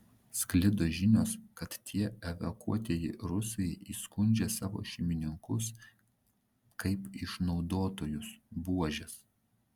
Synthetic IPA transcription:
sʲklʲɪd̪oʒʲɪnʲoːskɐt̪t̪ʲʰiɛɛʋʲɐkṵɔt̪ʲeːjɪɾʊsɐɪʔiːskʊnʲd͡ʒʲesɑːʋo̰ːʃʲɪmʲɪnʲɪŋkʊs | kʰɐɪpɪʃnɒʊd̪oːt̪oːjʊsbuɔʒʲɛs

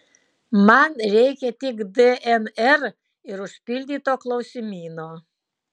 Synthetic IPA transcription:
mɐnɾʲɛɪkʲɛt̪ʲɪkd̪ɛʔɛnɛɾ | ɪɾʊʃʲpʲɪlʲd̪ʲiːt̪oːklˠɐʊsʲɪmʲiːnoː

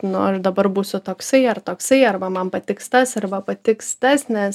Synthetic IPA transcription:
nʊɐʃd̪ɐbɐrbuːsʊt̪oːksɐɪɐrt̪oːksɐɪɐrbɐmɐmpɐt̪ʲɪkst̪ɐsɐrbɐpɐt̪ʲɪkst̪ɐsnʲɛs

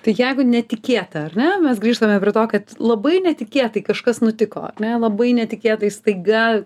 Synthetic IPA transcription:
t̪ɐɪjɛɪɡʊnʲɛt̪ʲɪkʲeːt̪ɐɐrʲnʲɛmʲɛsɡɾʲiːʃt̪ɐmʲɛpɾʲɪɛt̪oːkɐt̪lˠɐbɐɪnʲɛt̪ʲɪkʲeːt̪ɐɪkɐʃkɐsnʊt̪ʲɪko̰ːɐ̰rnʲɛlˠɐbɐɪnʲɛt̪ʲɪkʲeːt̪ɐɪst̪ɐɪɡɐ

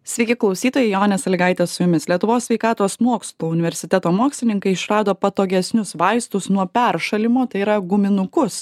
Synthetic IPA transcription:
sʲʋʲɛɪkʲɪklˠɒʊsʲiːt̪oːjɛɪjoːnʲɛsɐlʲɡɐɪt̪ʲɛsʊjʊmʲɪslʲiɛt̪ʊʋoːsʲʋʲɛɪkɑːt̪oːsmuɔkslˠuːʊnʲɪʋʲɛɾʲsʲɪt̪ʲɛt̪oːmuɔksʲlʲɪnʲɪŋkɐɪɪʃɾɑːd̪oːpɐt̪oːɡʲɛsʲnʲʊsʋɐɪst̪ʊsnuɔpʲɛɾʃɐlʲɪmoːt̪ɐɪiɾɐɡʊmʲɪnʊkʊs

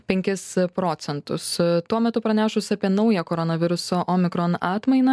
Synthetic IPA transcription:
pʲɛŋʲkʲɪspɾoːt̪sʲɛnt̪ʊst̪uɔmʲɛt̪ʊpɾɐnʲæːʃʊsʲɐpʲiɛnɐʊjɛkoːɾɔnɐʋʲɪɾʊsoːʔoːmʲɪkɾoːnɑːt̪mɐɪnɐ

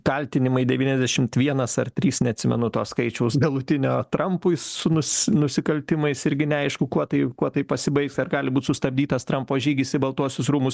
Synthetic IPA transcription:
kɐlʲt̪ʲɪnʲɪmɐɪdʲɛʋʲiːnʲɛzdʲɛʃʲɪmt̪ʋʲiɛnɐsɐrt̪ʲɾʲiːsnʲɛɐt̪ʲsʲɪmʲɛ̰nʊt̪oːsskɐɪt͡ʃʲɛʊsɡɐlˠʊt̪ʲɪnʲoːt̪ɾɐmpʊɪssʊnʊsnʊsʲɪkɐlʲt̪ʲɪmɐɪsɪɾʲɡʲɪnʲɛɐɪʃkʊkuɔt̪ɐɪkuɔt̪ɐɪpɐsʲɪbɐɪksɐrɡɑːlʲɪbuːt̪ʲsʊst̪ɐbʲd̪ʲiːt̪ɐst̪ɾɐmpoːʒʲiːɡʲɪsʲɪbɐlˠt̪uɔsʲʊsɾuːmʊs

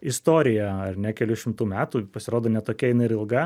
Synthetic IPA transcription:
ɪst̪oːɾʲɪjɛɐrnʲɛkʲɛlʲʊʃʲɪmt̪uːmʲæːt̪uːpɐsʲɪɾoːd̪oːnʲɛt̪oːkʲɛɪnɐɪɾɪlˠɡɐ

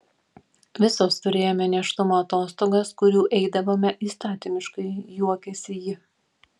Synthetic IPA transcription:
ʋʲɪsoːst̪ʊɾʲeːjoːmʲɛnʲɛʃt̪ʊmoːɐt̪oːst̪oːɡɐskʊɾʲuːʔɛɪd̪ɐʋoːmʲɛʔiːst̪ɑːt̪ʲɪmʲɪʃkɐɪjuɔkʲɛsʲɪjɪ

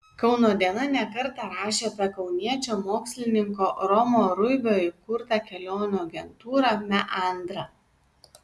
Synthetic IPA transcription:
kɐʊnoːd̪ʲiɛnɐnʲɛkɐɾt̪ɑɾɑːʃʲeːp̪ʲɐkɒʊnʲiɛt͡ʃʲoːmoːksʲlʲɪnʲɪŋkoːɾɔmoːɾʊbʲoːɪkʊɾt̪ɐkʲɛlʲoːnʲuːɐɡʲɛnt̪uːɾɐmʲɛʔɐˑnd̪ɾɐ

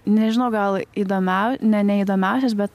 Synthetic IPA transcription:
nʲɛʒʲɪnɐʊɡɐlˠid̪oːmʲæʊnʲɛnʲɛiːd̪oːmʲæˑʊs̬ʲɛs̬bʲɛt̪

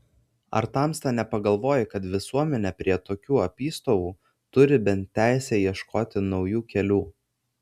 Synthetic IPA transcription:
ɐ̰ɾt̪ɑˑmst̪ɐnʲɛpɐɡɐlˠʋoːjɪkɐt̪ʋʲɪsuɔmʲɛnʲɛpʲɾʲiɛt̪oːkʲuːɐpʲiːst̪oːʋuː | t̪ʊɾʲɪbʲɛnt̪ʲːæˑɪsʲɛjiɛʃkoːt̪ʲɪnɒʊjuːkʲɛlʲuː

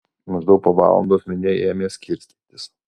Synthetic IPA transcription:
mɐʒd̪ɐʊtpoːʋɑ̰ːlˠɐ̰nd̪oːsmʲɛnʲeɛjeːmʲeːsʲkʲʰɪɾʲsʲt̪ʲnʲt̪ʲɪs

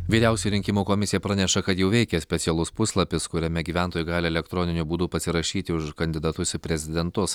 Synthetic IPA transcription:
ʋʲiːɾʲɛʊsʲʊjʊɾʲɪŋʲkʲɪmuːkoːmʲɪsʲɪjɛpɾɑːnʲɛʃɐkɐt̪jɛʊʋʲɛɪkʲɛsʲpʲɛt̪sʲɪɛlˠʊspʊslˠɐpʲɪskʊɾʲɛmʲɛɡʲiːʋʲæˑnt̪oːjuːɡɑːlʲɪɛlʲɛkt̪ɾoːnʲɪnʲubuːd̪ʊpɐsʲɪɾɐʃʲiːt̪ʲɪʊʃkɐnʲd̪ʲɪd̪ɐt̪ʊsʲʊpʲɾʲɛzʲɪd̪ʲɛnt̪ʊs

